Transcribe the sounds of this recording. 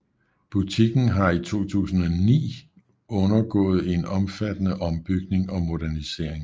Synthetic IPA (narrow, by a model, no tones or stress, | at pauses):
b̥ut͡sʰiɡ̥n̩ɦɑ̈it͡sʰo̝̰ːt͡sʰṵːsn̩ɒ̽nḭː | ɔ̽nɐɡ̥ɔ̰̽ːð̞̩ˠe̝nɒ̽mfæd̥ənəʔɒ̽mb̥yɡ̥ne̝ŋɒ̽mo̝ɾ̥æɐnise̝ɐ̰eŋ